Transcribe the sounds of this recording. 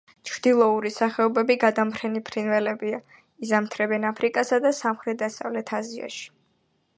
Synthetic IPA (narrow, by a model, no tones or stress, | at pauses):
t͡ʃʰɾd̪̥ilˠɔuɾisaχɛɔbɛbiɡad̪ampʰɾɛnipʰɾinvɛlɛbia | izamt̪ʰɾɛbɛnapʰɾikʼasad̪asamχɾɛt̪̚d̪asa̰vlɛt̪ʰazia̰ʃi̥